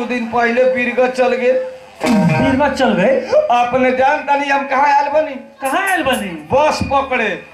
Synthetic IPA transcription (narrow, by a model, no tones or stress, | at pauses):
ud̪inpəɦilebiɾɡət͡ʃəlɡel | biɾɡət͡ʃəlɡəəpneɖant̪əniəmkəɦãalbənikəɦãalbənibəspəkɽe